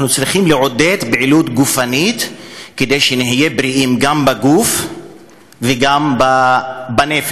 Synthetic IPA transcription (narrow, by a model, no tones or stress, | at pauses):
anut͡sɾiχimleʕo̞d̪e̞t̪beʕilut̪ɡufanit̪ked̪ejʃeniɦije̞bɾiʔimɡambaɡuf | veɡambabanefe